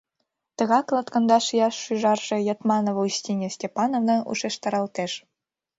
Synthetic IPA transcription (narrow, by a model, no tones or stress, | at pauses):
t̪ɤ̆ɣɑklˠɑt̪kɤ̆nd̪ɑʃjɑʃːyʒɑrʒ̥ĕjɑt̪mɑnoβousʲtʲinʲĕsʲtʲepɑnovnɤ̆ʔṵʃeʃt̪ɑ̆ɾɑlˠt̪eʃ